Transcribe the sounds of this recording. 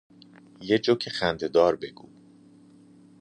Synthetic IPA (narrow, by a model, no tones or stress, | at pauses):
jed͡ʒocʰexænd̪e̞d̪ɒːɾbe̞ɡ̥ṵː